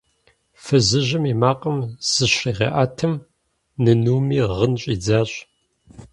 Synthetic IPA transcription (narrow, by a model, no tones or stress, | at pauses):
fɨzɨʒɪmimaːqʼɐmz̥ɨɕriːʁḛːʔaːtʰɨm | nɨnuːmiːʁənɕʼiːd͡zaːɕʼ